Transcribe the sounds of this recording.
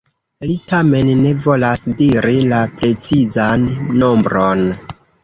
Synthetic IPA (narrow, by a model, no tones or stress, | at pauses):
litame̞nːe̞vo̞lasdiɾilapɾe̞t͡sizanːo̞mbɾon